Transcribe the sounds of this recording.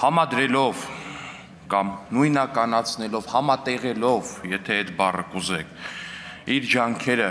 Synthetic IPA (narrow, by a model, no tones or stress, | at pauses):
hɑmɑd̪ɾɛlɔv | kɑmnujnɑkɑnɑt͡sʰnɛlɔvhɑmɑt̪ɛʁɛlɔvjɛt̪ʰɛɛt̪bɑrəkuzɛkʰ | iɾd͡ʒɑŋkʰɛɾə